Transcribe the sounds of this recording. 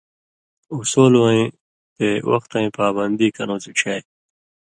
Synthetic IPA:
usoːlwãĩ | t̪eːwɐ̰xt̪ãĩːpaːbɐnd̪iːkɐnõːsiʈ͡ʂʰaːj

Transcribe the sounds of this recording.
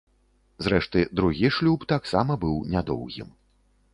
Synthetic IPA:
zɾɛʂt̪ɨd̪ɾuɣʲiʂlʲupt̪aksamɐbɨwnʲad̪ɔ̰wɣʲḭm

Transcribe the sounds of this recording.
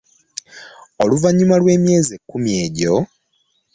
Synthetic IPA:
oluvaɲːumalwe̞ːmje̞ːzekːumje̞ːɟo̞

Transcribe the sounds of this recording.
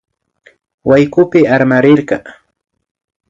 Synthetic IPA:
wajkʊpɪaɾmaɾɪɾɢɑ

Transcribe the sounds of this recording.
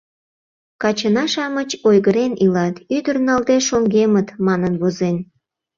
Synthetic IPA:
kɑt͡ɕənɑʃɑmət͡ɕojɣəɾenilɑt̪yd̪ərnɑld̪eʃoŋɡemət̪mɑnənβozen

